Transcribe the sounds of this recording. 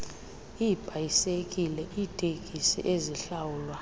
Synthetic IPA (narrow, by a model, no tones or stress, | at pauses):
ib̥ʱajisekʼilɛʔiːtʼekʼisḭʔeziɬawuːlwa